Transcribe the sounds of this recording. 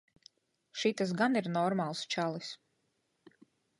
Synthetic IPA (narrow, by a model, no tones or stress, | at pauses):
ʃit̪as̬ɡaniɾnɔɾmaːlˠst͡ʃalˠis